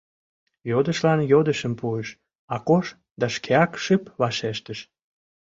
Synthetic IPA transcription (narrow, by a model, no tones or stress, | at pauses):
jod̪əʃlɑnjod̪əʃəmpueʃ | ɑkoʃ | d̪ɑʃkʰeɑkʃɨpβɑʃeʃt̪əʃ